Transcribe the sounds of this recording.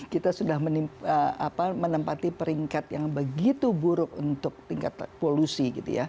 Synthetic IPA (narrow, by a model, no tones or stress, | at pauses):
kit̪asudahməniməa̰pamənəmpat̪ipəɾiŋkat̪jaŋbəɡit̪ubuɾʊkunt̪ʊk̚t̪iŋka̰t̪̚polusiɡit̪ṵja̰